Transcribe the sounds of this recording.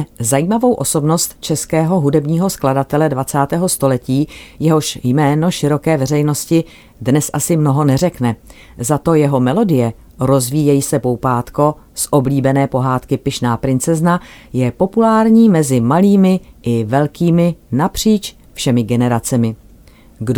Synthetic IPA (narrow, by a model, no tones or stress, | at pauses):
zajiːmavo̞wʔo̞so̞bnost̪t͡ʃɛskɛːɦo̞ɦudɛbɲiːɦo̞skladat̪ɛlɛdvat͡saːt̪ɛːɦo̞st̪o̞lɛciːjɛɦo̞ʃjmɛːno̞ʃɪɾo̞kɛːvɛrɛjno̞scɪ | dnɛsʔasɪmno̞ɦo̞nɛr̝ɛknɛ | zat̪o̞jɛɦo̞mɛlo̞dɪjɛ | ɾo̞zviːjɛjisɛpowpaːt̪ko̞ | sʔo̞bliːbɛnɛːpo̞ɦaːt̪kɪpɪʃnaːpɾɪnt͡sɛznajɛpo̞pulaːɾɲiːmɛzɪmaliːmɪʔɪvɛlkiːmɪnapr̝̥iːt͡ʃ | fʃɛmɪɡɛnɛɾat͡sɛmɪ | ɡd